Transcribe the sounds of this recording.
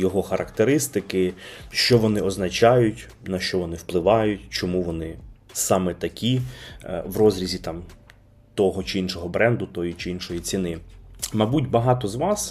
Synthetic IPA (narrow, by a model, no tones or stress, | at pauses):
jɔɦɔxɐɾʔɐkt̪eɾɪst̪ɪkɪʃt͡ʃɔʋɔnɪɔznɐt͡ʃɑjʊtʲ | nɐʃt͡ʃɔʋɔnɪwplˠɪʋɑjʊtʲt͡ʃɔmuʋɔnɪsɑmɛt̪ɐkʲi | ʋrɔzɾʲizʲit̪ɑm | t̪ɔɦɔt͡ʃɪinʃɔɦɔbɾɛnd̪ʊt̪ɔjit͡ʃɪinʃɔjit͡sʲinɪmɐbutʲbɐɦɑt̪ɔzʋɑs